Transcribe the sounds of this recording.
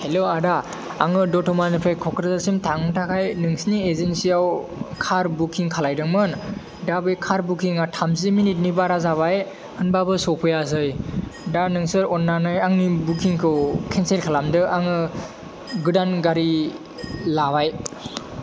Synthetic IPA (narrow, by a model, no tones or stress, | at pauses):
heloadaː | ŋɯdɔtɔmanɯpʰɾajkʰɔkʰɾzasimtʰaŋɯtʰakʰajnɯŋsiniezensijawkʰaɾbukʰiŋkʰalajdɯŋmɯn | dabɯjkʰaɾbukʰiŋatʰamziminit̚nibaɾazaβaj | hɯnbabɯsɔpʰɯjaz̬ɯjdanɯŋsɯɾɔnːanɯjaŋnibukʰiŋkʰɯwkʰenselkʰalamdɯʔaŋɯ | ɡɯdanɡaɾi | labaj